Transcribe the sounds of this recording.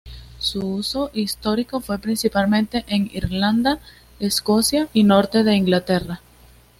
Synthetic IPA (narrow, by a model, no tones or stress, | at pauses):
suuso̞ʔist̪o̞ɾiko̞fwe̞pɾinsipalmẽ̞nt̪e̞ʔeŋiɾland̪a | esko̞sjaʔino̞ɾt̪e̞ðe̞iŋɡlat̪e̞ra